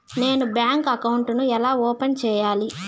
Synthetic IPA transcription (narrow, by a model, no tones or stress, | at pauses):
ne̞ːnubjaːŋkɐkɐwuɳʈnuɛlaːɔːpent͡ʃɛːjaːli